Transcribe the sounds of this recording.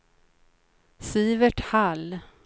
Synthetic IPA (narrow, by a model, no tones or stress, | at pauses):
siːvəʈhal